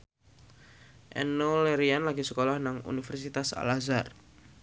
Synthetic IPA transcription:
ʔɛ̰noleɾianlaɡisə̥kolɔhnaŋṵnifɛrsit̪asa̰lazar

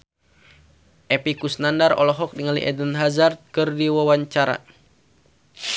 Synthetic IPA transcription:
ʔɛpikusnandarɔ̰lɔɦɔk̚diŋalḭʔɛdənɦazart̪̚kɨrdiwawaɲt͡ʃaɾa̰

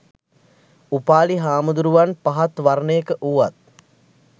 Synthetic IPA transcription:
upaːliɦaːmud̪uɾuʋanpaɦat̪ʋarnəjəkəʔuʋat̪̚

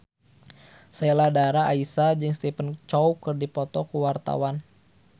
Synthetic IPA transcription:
seladaɾaaisad͡ʒɨŋst̪ipənt͡ʃɔwkɨrdipɔt̪ɔkuwart̪a̰wan

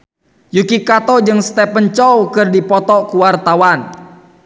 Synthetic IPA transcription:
jukikat̪ɔd͡ʒɨŋst̪ɛpənt͡ʃɔwkɨrdipɔt̪ɔkuwart̪awan

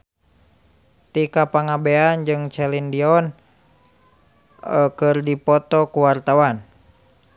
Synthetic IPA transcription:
t̪ikapaŋabeand͡ʒɨŋt͡ʃɛlindiɔn | kɨrdipɔt̪ɔkuwart̪awan

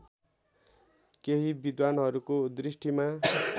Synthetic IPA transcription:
keɦibid̪wanɦʌɾukod̪risʈima

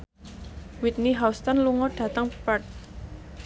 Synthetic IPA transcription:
wit̪̚niɦawst̪ɔnluŋɔɖ̥ä̤t̪əŋpɛt̚

